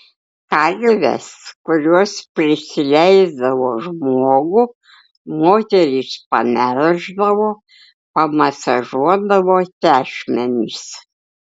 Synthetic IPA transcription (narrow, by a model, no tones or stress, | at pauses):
kɐlʲʋʲɛ̰skʊɾʲuɔspʲɾʲɪsʲɪlʲɛɪzd̪ɐʋoːʒmoːɡʊ | moːt̪ʲɛɾʲispɐmʲæɾʲʒd̪ɐʋoː | pɐmɐsɐʒuɔd̪ɐʋoːt̪ʲæːʃʲmʲɛnʲiːs